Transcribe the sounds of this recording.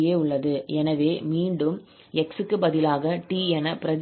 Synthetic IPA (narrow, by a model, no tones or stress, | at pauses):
jeːʊɭːɐðɯɛnɐʋeːmiːɳɖɯm | ɛksɯkːɯbɐðɪlaːɣɐʈiːɛnɐpɪɾɐð